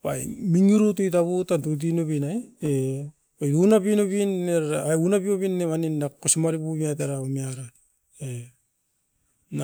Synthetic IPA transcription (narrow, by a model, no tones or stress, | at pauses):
pajmiŋiɾutujtaβutantut̬inoβinaje | pajunapinoβinːeɾaunapioβinːemaninːakosimaɾipumiat̬eɾaomiaɾa | e | na